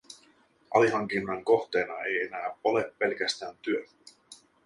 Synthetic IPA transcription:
ʔɑ̰liɦɑŋk̟inːɑŋko̞ht̪e̞ːnɑe̞je̞næːole̞pːe̞lkæst̪æːnt̪yø

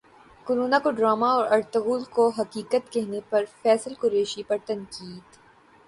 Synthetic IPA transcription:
kʊɾuːnakoɖɾaːmaɔːɾɐɾt̪əɣuːlkoɦɐkiːkət̪kɛɦnepɐɾfɛːsəlkʊɾeːʃipɐɾt̪ɐ̃nkiːd̪̥

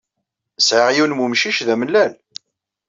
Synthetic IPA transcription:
sʕəʁjunmumʃiʃðæməlːæl

